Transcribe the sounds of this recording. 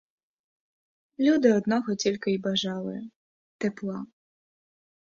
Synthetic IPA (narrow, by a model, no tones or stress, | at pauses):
lʲud̪ɨɔd̪nɔɣɔt͡sʲlʲkɐibaʐalˠɨ̰jɐ | t̪ɛplˠa